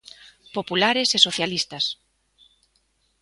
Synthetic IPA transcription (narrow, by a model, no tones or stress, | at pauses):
populaɾesesoθjalist̪ɐs